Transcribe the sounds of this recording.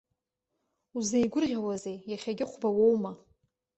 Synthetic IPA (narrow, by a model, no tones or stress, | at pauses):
uzejɡʷʊrʁʲawazejjaχʲaɡʲɪqʷʰbawo̞wma